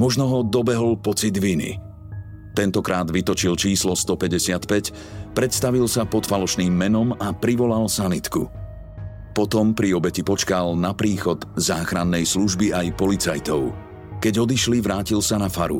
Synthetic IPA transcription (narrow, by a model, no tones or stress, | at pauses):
mɔʒnɔɦɔd̪ɔbɛɦɔlpɔt͡sid̪ʋinḭ | t̪ɛnt̪ɔkɾʔaːd̪ʋit̪ɔt͡ʃilt͡ʃiːslɔst̪ɔpɛɟɛsɪat̪pɛc | pɾɛt̪st̪aʋilsapɔt̪falɔʃniːmːɛnɔmapɾiʋɔlalsanit̪kṵ | pɔt̪ɔmpɾiɔbɛcipɔt͡ʃkalnapɾiːxɔd̪zaːxɾanːɛjsluʒbiajpɔlit͡sa̰jt̪ɔʊ | kɛɟɔd̪iʃliʋɾaːcilsanafaɾṵ